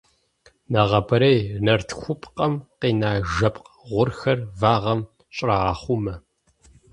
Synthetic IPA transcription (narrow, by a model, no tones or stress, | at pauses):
nɐʁɐbʰɐɾɐjnɐrtʰxʷʊpʰʼqʼɐmqiːnaːʒɐpʼq | ʁʷʊrxɐrvaːʁɐm | ɕʼraʁɑːχʷʊmɐ